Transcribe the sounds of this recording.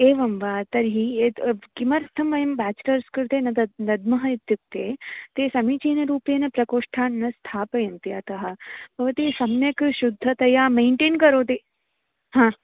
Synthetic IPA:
eːʋɐmʋaːt̪ɐɾɦieɡimɐɾt̪ʰɐmʋɐjɐmbaːt͡ʃlɐɾskɨɾt̪eːnɐnɐd̪mɐɦɐit̪juk̚t̪eːt̪eːsɐmit͡ʃeːnɐɾuːpenɐpɾɐkoːʂʈʰaːnːɐst̪ʰaːpɐjɐnt̪iɐt̪ɐɦɐ̆b̥ʱɐʋɐt̪isɐmjɐkʃud̪ʱːɐt̪ɐjaːmeːɳʈeːnkɐɾoːt̪̬eː | hãː

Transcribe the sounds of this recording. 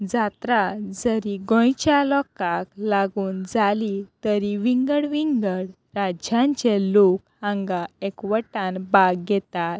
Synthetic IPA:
d͡zat̪ɾad͡zəɾiɡɔ̃jt͡ɕjalɔkaklaɡuːnd͡zalit̪əɾiʋiŋɡəɽʋiŋɡəɽ | ɾad͡ʑjãɲt͡ɕɛlok̚ | ãŋɡaekʋəʈanbaɡɡɛt̪at̪̚

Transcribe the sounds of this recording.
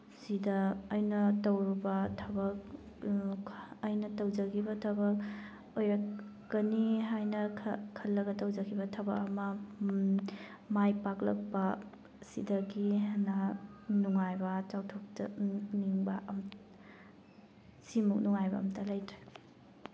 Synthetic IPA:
sidɐːjnɐtɐwɾubɐtʰɐbɐk̚ | ɐjnɐtɐwd͡ʒɐɡʰibɐtʰɐbɐk̚ | ojɾɐkː | ɐniɦajnɐkʰɐlːɐɡɐtɐwd͡ʒɐkʰibɐtʰɐbɐkɐmɐ | majpak̚lɐk̚pɐ | sḭdɐɡinanuŋajbɐt͡ʃawtʰɔk̚tɐ̰niŋbɐʔɐm | simuk̚nuŋajbɐ̰ːmtɐlajtɾe

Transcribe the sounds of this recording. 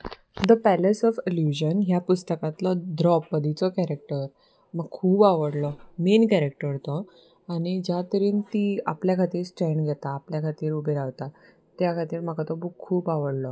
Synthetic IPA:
d̪əpælesɔfiljuɕənɦjapust̪əkãt̪lɔd̪ɾɔpːəd̪it͡sɔkæɾek̚ʈəɾ | məɡ̚kʰuːbaʋəɽlɔmenkæɾek̚ʈəɾt̪ɔ | añid͡ʑjat̪əɾiːnt̪iːapljakʰat̪iːɾsʈɾeɳɖɡʱɛt̪aːpljakʰat̪iːɾubʱeɾaʋt̪a | t̪jakʰat̪iːɾm̤əkat̪ɔbukkʰːuːbaʋəɽlɔ

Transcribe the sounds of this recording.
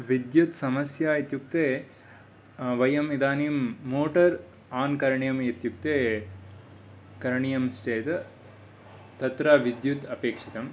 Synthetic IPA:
ʋid̪jut̪sɐmɐsjaːit̪juk̚t̪eː | ʋɐjɐmid̪aːnimːoːʈɐɾ | aːnkɐɾɐɳijɐmjet̪juk̚t̪eː | kɐɾɐɳijɐmsʈeːt̪ | t̪ɐt̪ɾaːʋid̪jut̪ɐpeːkʂit̪ɐm

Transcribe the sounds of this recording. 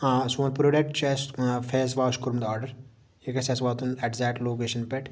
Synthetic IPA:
suːnpɾoɖek̚ʈt͡ʃeːsfʰeːs̬ʋaːʃkuɾmd̪aːɾɖɐɾ | ekɐsesʋaːt̪unɛʈzaːʈloːk̬eːʃɐnpeʈ

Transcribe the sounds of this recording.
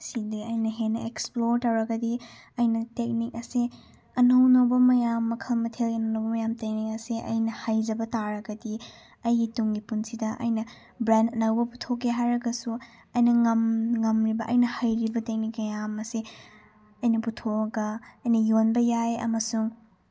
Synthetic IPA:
sidiɐjnɐɦenɐeksploɾtawɾɐɡɐdi | ɐjnɐtek̚nik̚ɐsi | ɐnɐwnɐwbɐmɐjamːɐkʰɐlmɐtʰelɡinɐwnɐwbɐmɐjamtek̚nik̚ɐsiʔɐ̰jnɐhajd͡ʒɐbɐtaɾɐɡɐdi | ɐjɡituŋɡipunsidɐʔɐ̰jnɐ | bɾandɐnɐwbɐputʰokːeɦajɾɐɡɐsu | ɐjnɐŋɐmŋɐmɾibɐʔɐ̰jnɐhajɾibɐtek̚nik̚mɐjamɐsi | ɐjnɐputʰoɡɐɐjnɐjonbɐjajɐ̰mɐsuŋ

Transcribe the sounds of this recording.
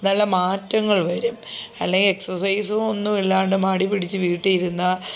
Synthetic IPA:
nɐlːɐmaːtːɐŋːɐɭʋɐɾumɐlːe̞ŋɡile̞ksɐrsɐjsuo̞nːumelːaːɳɖemaːɽipiɽit͡ɕːɨʋiːʈːijiɾunːɐ

